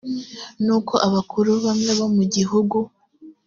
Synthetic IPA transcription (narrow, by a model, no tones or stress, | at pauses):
nuːko̞ʔaβakuɾuβamŋe̞βomuɟihuɡu